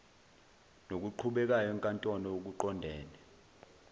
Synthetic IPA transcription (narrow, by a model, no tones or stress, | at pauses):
nok̬uǃʰuɓɛk̬ajɔɛŋkʼantʼɔnɔuk̬uǃɔndʱɛːnɛ